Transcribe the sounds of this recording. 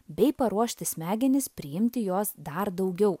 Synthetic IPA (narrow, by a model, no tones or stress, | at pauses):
bʲɛɪpɐɾuɔʃʲt̪ʲɪsʲmʲæːɡʲɛnʲɪspʲɾʲɪjɪmʲt̪ʲɪjoːsd̪ɐɾd̪ɐʊɡʲɛʊ